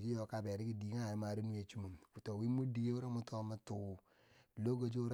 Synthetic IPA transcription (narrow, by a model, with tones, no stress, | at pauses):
d͡ʒi˦jo˨ka˨be˨ɾi˦ki˦di˨ŋa˦˨ji˦ma˨ɾe˦nu˦e˨t͡ʃu˦mu˨nku˨to˨wi˦mu˦di˨˦ɡe˦u˦ɾa˦mu˦to˦ma˦tu˨ | lo˦ɡo˨d͡ʒo˦